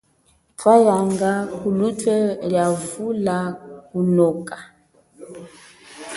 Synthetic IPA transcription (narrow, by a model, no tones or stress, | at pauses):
twajaŋɡakulutʰɛljavulakunɔkʼa